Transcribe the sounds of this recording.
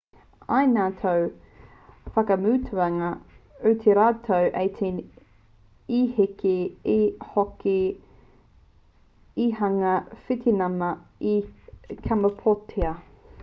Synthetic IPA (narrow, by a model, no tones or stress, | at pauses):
ɐjnaːt̪ʰow | fɐkɐmʉːtʰʉɐŋɐʉt̪ʰeɾaːtʰowʔejt̪ʰe | ihekeː | hoke | ihɐŋɐfit̪ʰenɐmɐikʰamɐpʰotʰeɐ